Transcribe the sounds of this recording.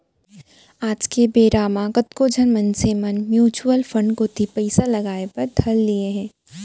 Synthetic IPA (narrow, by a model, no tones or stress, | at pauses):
aːd͡ʒkebeːɾaːmãɡɐt̪kod͡ʒʱɐnmɐ̃nsemɐnmjuːt͡ʃuəlfɐ̃ɳɖkot̪ʰipɛɪsalɐɡaːepɐɾt̪ʰɐlːieɦɛ̃ː